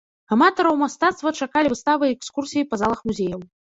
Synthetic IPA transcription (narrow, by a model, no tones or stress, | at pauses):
amat̪ɐɾɐwmast̪at̪st̪vɐt͡ʂakalʲivɨst̪avɨɛkskursʲijipɐzalˠɐxmuzʲejɐw